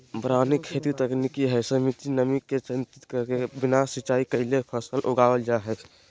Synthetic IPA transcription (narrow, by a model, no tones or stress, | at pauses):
bɾanikʰːet̪it̪əknikiɦəsəmit̪inəmikːet͡ʃənt̪it̪kəkebinasit͡ʃaikəɪlepʰəsəlʔoɡaəld͡ʒaɦɛt͡ʃʰ